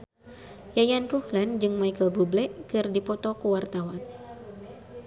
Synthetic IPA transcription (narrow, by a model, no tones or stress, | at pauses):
jajanruhland͡ʒɨŋmajkəlbublɛʔkɨrdipɔt̪ɔkəwart̪awan